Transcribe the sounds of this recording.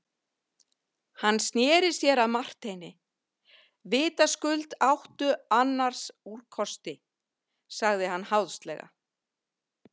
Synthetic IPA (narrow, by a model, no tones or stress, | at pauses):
hanːst̪njɛːɾɪ̥sjɛɾaðmar̥t̪ejnɪ | vɪːt̪askʏlt̪awht̪ʏanːaɾ̥sur̥kʰɔst̪ɪ | saɣðɪhanːhawðst̪lɛɣa̰